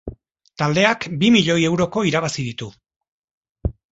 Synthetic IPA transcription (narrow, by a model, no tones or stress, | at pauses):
t̪ald̪e̞akbimiʎo̞je̞wɾo̞ko̞iɾaβ̞asiðit̪u